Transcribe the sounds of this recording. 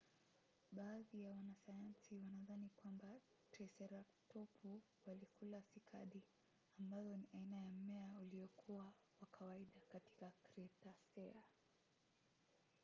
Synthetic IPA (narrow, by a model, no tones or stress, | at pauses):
ɓaːðijawanasajansiwanaðanikwamba | tɾɛsɛɾatɔpʰu | walikulafikʰa̰ɗi | ambazɔniʔainajam̩mɛauliɔkʰuwa | wakʰawaiɗakati̥kakɾɛtasɛa